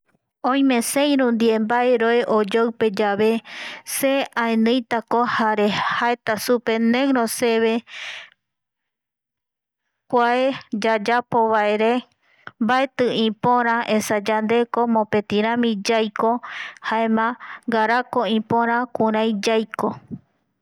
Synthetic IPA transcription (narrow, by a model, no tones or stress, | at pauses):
õj̃mẽ̞sẽjɾũnd̪iembaeɾoeʔod͡ʒowpe̞d͡ʒaβe̞seãenɨ̃jt̪akohaɾe̞haet̪asupe̞neŋɾose̞βe̞ | kʷaed͡ʒad͡ʒapo̞βaeɾe̞ | mbaet̪ɨĩpõɾ̃ãʔẽsad͡ʒand̪e̞ko̞mõpe̞t̪iɾ̃ãmĩd͡ʒajkohaemãŋɡaɾako̞ĩpõɾ̃ãkuɾ̃ãj̃d͡ʒajko